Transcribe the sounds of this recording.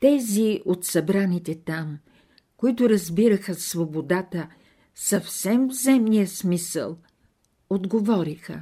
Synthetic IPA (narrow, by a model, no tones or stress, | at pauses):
t̪ɛziot̪sɐbɾanit̪ɛt̪am | koit̪ʊɾɐzbiɾəxəsvobod̪at̪ə | sɐfsɛmvzɛmnijəsmisə̰lˠ | od̪ɡovɔɾixə̰